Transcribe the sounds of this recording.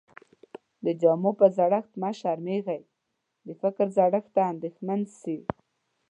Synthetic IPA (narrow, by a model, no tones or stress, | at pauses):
d̪əd͡ʒamopəzaɽəxt̪maʃaɾmeɣaj | d̪əfɪkɾzaɽəxt̪aːnd̪exmansi